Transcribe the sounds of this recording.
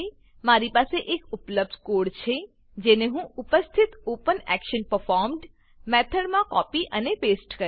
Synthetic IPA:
e | maɾipaseʔekʊpləb̚d̪ʱkoɽt͡ʃʰe | d͡ʒeneɦũʊpəst̪ʰit̪opənɛkʃənpəɾfɔɾmɖ | mɛt̪ʰəɽmãkɔpiʔəneʋesʈkə

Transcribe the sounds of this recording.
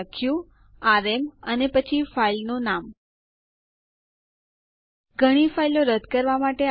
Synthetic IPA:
kʰjũ | aɾemənepət͡ʃʰifailnũnam | ɡʱəɽ̃ifailoɾəd̪ʱkəɾʋamaʈe

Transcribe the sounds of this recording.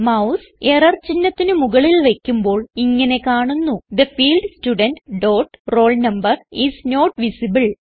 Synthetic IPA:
mɐws | erɐrt͡ɕinːɐt̪ːinɨmuɣɐɭilʋe̞kʲːumbo̞ːɭiŋːɐne̞kaːɳunːud̪ɐfiːlɖstuɖɐnʈɖo̞ːʈro̞ːɭnɐmbɐrisno̞ːʈʋisibɨɭ

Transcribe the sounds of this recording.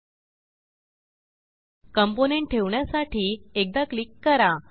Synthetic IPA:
kəmponeɳʈ̚ʈʰeʋɳjasaʈʰiːek̚d̪aklikːəɾa

